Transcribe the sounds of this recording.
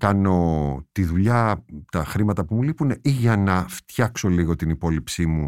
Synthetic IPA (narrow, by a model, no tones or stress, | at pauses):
kɐno̞t̪iðuʎɐt̪ɐxɾimɐt̪ɐpumulipuneʔiʝɐnɐft̪çɐkso̞liɣo̞t̪inipo̞lipsimu